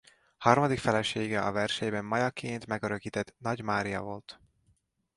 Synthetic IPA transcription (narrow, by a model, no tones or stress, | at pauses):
hɒrmɒd̪ikfɛlɛʃeːɡɛʔɒvɛrʃɛjbɛmːɒjɒkʰeːnt̪mɛɡøɾøkiːt̪ɛt̪nɒɟmaːɾijɒ̰vo̞lt̪